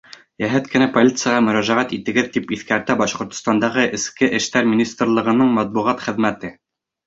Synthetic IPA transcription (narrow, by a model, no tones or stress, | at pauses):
jæɦæt̪kɘ̆næpolʲit̪sɨjaʁɑmɵ̆ɾæʒæʁæt̪it̪ɘ̆ɡɘðt̪ipiθkæɾt̪æbɑʃqŏɾt̪ŏ̥st̪ɑnd̪ɑʁɤʔɘ̆skɘʔɘ̆ʃt̪æɾmʲinʲist̪rlˠɤ̆ʁɤ̆nɤɴmæt̪̚buʁɑt̪χɘ̆ðmæt̪ɘ